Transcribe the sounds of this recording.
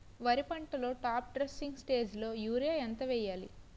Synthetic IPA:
ʋɐɾipɐɳʈɐlo̞ːʈaːp̚ɖɾesːiŋɡsʈe̞ːd͡ʒlo̞ːjuːɾaɐnt̪ɐʋɛːjːaːlḭ

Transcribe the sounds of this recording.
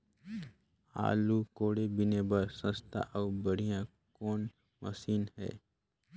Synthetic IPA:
a̰ːlukoːɽebɪnebɐɾsə̃st̪ʰa̰ʔaːbɐɾijã | kɔːn | mə̰siːnɦɛ̰ː

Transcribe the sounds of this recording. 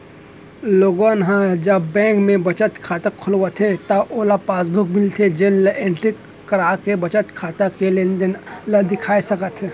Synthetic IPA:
loːɡõnɦãd͡ʒɐbːɛ̃ːŋkmẽbɐt͡ʃət̪kʰaːt̪akʰʊlwət̪ʰɦet̪ɐʔoːlapaːsbʱʊk̚mɪlt̪ʰed͡ʒenlʔẽɳʈɾikː | ɐɾaːkebɐt͡ʃət̪kʰaːt̪akelenld̪ɪkʰaːisɐkət̪ɦeː

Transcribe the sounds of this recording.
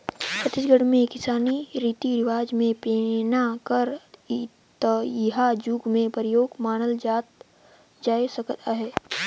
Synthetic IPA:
sət̪ɪd͡ʒɡəɽmẽkɪsaːniɾiːt̪iɾɪʋaːd͡ʒmẽpeːnakəɾ | t̪ɦad͡ʒuːɡmẽpəɾɪjoːɡmaːnəld͡ʒaːt̪̚ | d͡ʒaːesɐkt̪ʰaɦɛː

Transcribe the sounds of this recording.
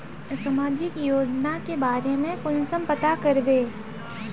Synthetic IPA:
sɐmaːd͡ʒɪkjoːd͡ʒnakebaːɾemẽkʊnsə̃mpət̪akɐɾbeː

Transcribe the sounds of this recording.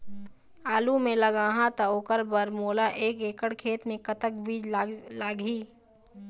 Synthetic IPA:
aːlumẽləɡaːɦãt̪aoːkəɾbəɾmoːlaʔeːkeːkəɽkʰeːt̪mẽkət̪ək̚bʱiːd͡ʒlaːɡiː

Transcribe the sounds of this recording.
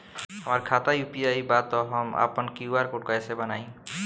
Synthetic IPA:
ɦʌmaɾkʰat̪ajupiajbat̪ɔɦʌma̰pɔnkiuwaɾkoʈkɔesebʌnaj̃

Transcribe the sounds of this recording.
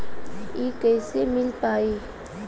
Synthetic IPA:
ekɛɪsemɪlpaːi

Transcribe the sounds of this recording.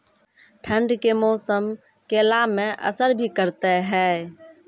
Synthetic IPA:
ʈʰə̃ɳɖkemɔːsəm | kelaːmːẽʔə̰səɾbʱikəɾt̪eɦɛː

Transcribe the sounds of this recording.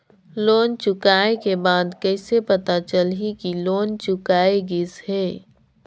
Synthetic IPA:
loːnt͡ʃʊkaːekebaːd̪kəɪsepɐt̪at͡ʃəlɦikiloːnt͡ʃʊkaːeɡɪshɛː

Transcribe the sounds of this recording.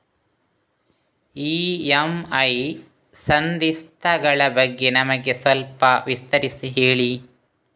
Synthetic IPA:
iːɐmɐj | sɐnd̪ist̪ʰɐɡɐɭɐbɐɡːe̞nɐmɐɡe̞sʋɐlpɐʋist̪ɐɾisiɦeːɭi

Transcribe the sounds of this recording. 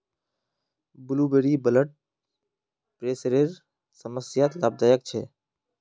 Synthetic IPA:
bʊluːbeɾiːbələʈ̚ | pɾeːsɾeːɾ | səməsjaːt̪laːb̚d̪aːjək̚t͡ʃʰḛː

